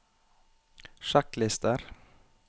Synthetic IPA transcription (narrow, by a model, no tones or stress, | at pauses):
ʃɑklɪst̪əɾ